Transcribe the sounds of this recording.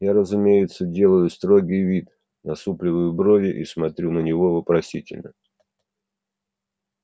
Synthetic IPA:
jaɾəzʊmʲejɪt̪sədʲe̞lˠəjʊst̪ɾo̞ɡʲijvʲit̪ | nɐsuplʲɪvɨjʊbɾo̞vʲɪʔḭsmɐt̪ɾʲunənʲɪvo̞vəpɾɐsʲitʲɪ̰lʲnə̰

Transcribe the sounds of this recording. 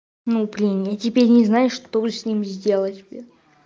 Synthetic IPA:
nupɾʲɪnʲet̪tʲɪpʲeɾʲnʲɪznajʊʂt̪obɨsʲnʲimʲzʲdʲe̞lˠətʲbi

